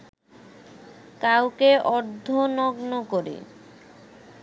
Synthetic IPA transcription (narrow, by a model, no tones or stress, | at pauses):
kawkeʔɔɾd̪ʱːonɔɡnokoɾḛ